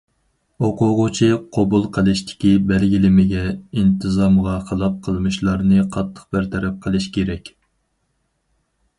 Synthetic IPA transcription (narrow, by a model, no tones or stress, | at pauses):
oqʊʁʊt͡ʃʰiqʰobulˠqʰəlˠɨʃt̪ʰɪ̥kʲibɛlɡʲilɪmɪɡʲɛint̪ʰɨzɑmʁɑχəlˠɑp̚qʰəlˠmɨʃlˠɑɾnɨqʰɑt̪ʰːə̥q̚bɪɾt̪ʰɛɾɛp̚qʰəlˠɨʃkʲeɾɛkʲ